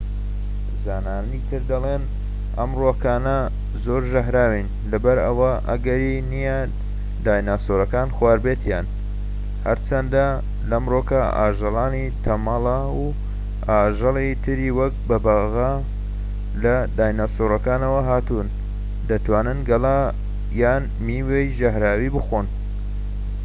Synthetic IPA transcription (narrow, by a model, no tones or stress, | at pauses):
zaːnaːit̪ʰɨɾd̪ɐlˠen | ʔɐmrokaːnɐ | zo̞ɾʒɐɦɾaːwin | lɐbɐɾɐ̰wɐʔɐ̰ɡɐɾinijɐ | d̪aːjnast̪oɾɐkaːnxwaːɾbeːt̪jaːn | hɐɾt͡ʃʰɐnd̪a | lɐmroːkɐa̰ːʒɨlˠɑːnit̪ʰɐmɑlˠa | u | aːʒɨlˠit̪ʰɨɾiwɐk̚bɐbaɣa | lɐd̪aːjnasoɾɐkaːnɐwɐɦaːt̪un | d̪ɐt̪waːnɨnɡɐla | jaːn | miwejʒɐɦɾaːwibɨxon